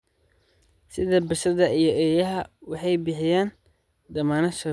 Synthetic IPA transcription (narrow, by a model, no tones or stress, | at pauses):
sɪðɐbɪʃɐðɐʔijɞʔɛːjɐɦɐwɑħɑjbɪħɪjaːn | d̪ɐmaːnɐʃɐ